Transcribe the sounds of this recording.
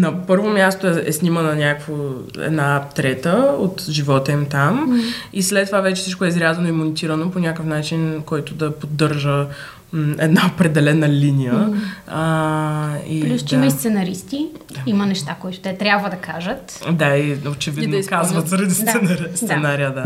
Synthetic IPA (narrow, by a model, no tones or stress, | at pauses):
nɐpɤɾvomʲjast̪oɛɛ̰snʲimənɐnʲakəkvo | ɛ̰d̪napt̪ɾɛt̪əot̪ʒivɔt̪əimt̪amislɛt̪ːovavɛt͡ʃɛ̥sit͡ʃkʊɛizɾʲazɐnoimonʲit̪iɾənoponʲakəfnat͡ʃinkɔjt̪ʊd̪ɐpod̪ːəɾʒə | ɛd̪naopɾɛd̪ɛlɛnəlinijə | iplusdt̪imɐist̪sɛnɐɾist̪id̪aimɐnɛʃt̪akoit̪ʊ̥t̪ɛt̪ɾʲjabvəd̪ɐkaʒət̪d̪aiot͡ʃɛvidinoikazvɐt̪zɾɐd̪ist̪sɛnaɾst̪sɛnaɾiəd̪a